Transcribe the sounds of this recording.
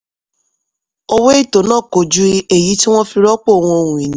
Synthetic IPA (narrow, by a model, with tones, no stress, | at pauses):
o˦we˦i˦˨to˨˦nãː˦˨ko˨d͡ʒu˦e˨ji˨˦ti˦w̃ɔ̃˦fi˧ɾɔ˦k͡po˦˨o˧˨w̃ɔ̃˧o˧˨ɾũ˨ĩ˨nĩ˦